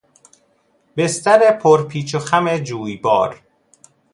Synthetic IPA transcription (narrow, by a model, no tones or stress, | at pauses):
be̞st̪æɾepʰoɾpʰiːt͡ʃʰoxæmed͡ʒuːjbɒ̰ːɾ